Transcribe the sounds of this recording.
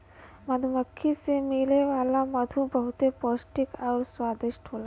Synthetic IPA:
mɐd̪ʱumɐkʰːisemileʋaːlamɐd̪ʱubɐɦut̪epoːsʈikawɾsʋaːd̪iʃʈɦoːla

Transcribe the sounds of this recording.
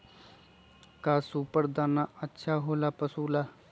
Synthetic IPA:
kaːsuːpəɾd̪aːnaːətːʃʰaːɦoːlaːpəsuːlaː

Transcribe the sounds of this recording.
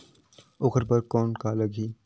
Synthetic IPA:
ʊxəɾpɐɾkɔːnkalɐɡiː

